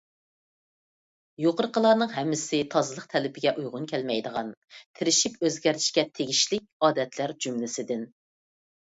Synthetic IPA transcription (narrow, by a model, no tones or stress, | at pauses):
joqəɾqəlˠɑnɨŋɦɛmːɪsɪt̪ʰɑzɨlˠəqt̪ʰɛlɪpʰɪɡʲɛʔujʁʊnkʲʰɛlmɛjd̪əʁɑnt̪ʰɪɾɪʃipøzɡʲɛɾt̪ʰi̥ʃkʲɛt̪ʰeɡʲiʃlɪkʲɑːd̪ɛt̪ʰlæɾd͡ʒymlɪsɪd̪ɪn